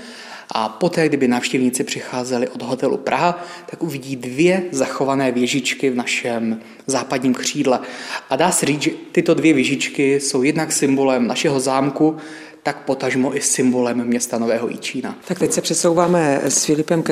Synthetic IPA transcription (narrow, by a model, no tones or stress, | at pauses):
ʔa̰po̞t̪ɛːɡdɪbɪnaːfʃcɛvɲiːt͡sɪpr̥ɪxaːzɛlɪʔo̞dɦot̪ɛlṵpɾʔaɦat̪akʔuvɪɟiːdvjɛzaxo̞vanɛːvjɛʒɪt͡ʃkɪvnaʃɛm | zaːpadɲiːmkr̝̥iːdlɛʔadaːsɛriːd͡zʒɛt̪ɪt̪o̞dvjɛvjɛʒɪt͡ʃkɪso̞wjɛdnaksɪmbo̞lɛmna̰ʃɛɦo̞zaːmku | t̪akpo̞t̪aʒmo̞ʔɪsɪmbo̞lɛmːɲɛst̪ano̞vɛːɦo̞̰jḭt͡ʃiːna̰t̪ak̚t̪ɛcsɛpr̥ɛsowvaːmɛsfɪlɪpɛmk